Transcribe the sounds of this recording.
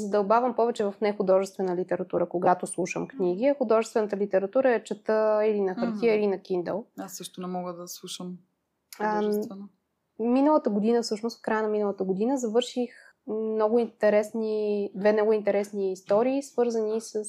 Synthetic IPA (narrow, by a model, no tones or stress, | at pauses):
zəd̪ɐlbavəmpɔvɛt͡ʃɛvɐfnɛxʊd̪ɔʒɛst̪vɛnəlit̪ɛɾɐt̪uɾəkoɡat̪oslˠuʃəmkniɡiɐxʊd̪ɔʒɛst̪vɛnət̪əlit̪ɛɾɐt̪uɾəɛt͡ʃɐt̪əilinɐxɐɾt̪ʲiəilinɐkind̪ɛ̰lˠasːɤʃt̪ʊnɛmɔɡəd̪ɐslˠuʃəm | minəlˠət̪əɡod̪inəfsɤʃnʊst̪fkɾajənɐminəlˠət̪əɡod̪inəzɐvɤɾʃix | mnɔɡʊint̪ɛɾɛsnid̪vɛnɔɡʊint̪ɛɾɛsniːst̪ɔɾiːsvɤɾzənisəs